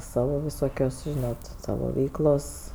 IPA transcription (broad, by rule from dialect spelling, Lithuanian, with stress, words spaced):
ˈsɑːʋoː ʋʲɪˈsoːkʲoːs ˈʒʲɪnoːt ˈsɑːʋoː ˈʋʲɛɪklˠoːs